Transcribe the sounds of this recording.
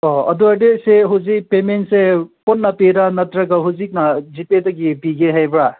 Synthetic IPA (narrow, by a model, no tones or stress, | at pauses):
ɔɐ̰duadeseɦuzik̚pementsepɔnːapeɾanɐtɾɐɡaɦuzik̚nad͡ʒipedɐɡibiɡeɦajbɾa